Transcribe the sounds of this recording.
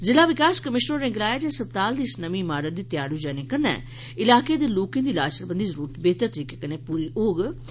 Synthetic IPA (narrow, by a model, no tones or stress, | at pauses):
zɪlaːʋɪkaːskəmɪʃnənẽɡɪlaːjaːd͡ʒɛːsəb̚t̪aːld̪iːsnəmĩːmaːɾət̪̚d̪iːt̪jaːɾud͡ʒɛːnẽkənɛ̰ː | ɪlaːkeːd̪eːloːkẽnd̪iːlaːsəɾbə̃nd̪iːzəɾuːɾət̪beːt̪əɾt̪əɾiːkeːkənẽːpuːɾiːʔoːɡ